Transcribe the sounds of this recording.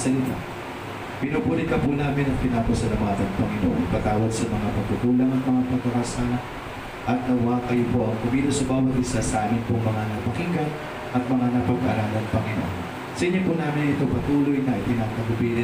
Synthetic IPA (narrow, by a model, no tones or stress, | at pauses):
sɐlɪt̪a̰ | pɪnupuɾikɐpunaːmɪnɐŋpɪnaːposɐlɐmaːt̪ɐŋpɐŋɪno̰ŋɐpɐt̪aːwɐd̪sɐmɐŋapɐɡ̚t̪ut̪uːlɐŋɐŋmɐŋapɐɡɐkasaːnɐ | ʔɐt̪̚nɐwakɐjopo̞ʔɐŋkʊmilosʊmaːwɐt̪ɪsasɐʔaːmɪnpoŋmɐŋanɐpɐkiŋɡɐn | ʔɐt̪̚mɐŋanɐpɐɡ̚aɾalɐŋpɐŋɪno̰ʔo̰n | sɐʔɪɲopʊnaːmɪnɐɪt̪o̞pɐt̪uːlo̞jnɐʔɪt̪ɪnɐɐɡʊbil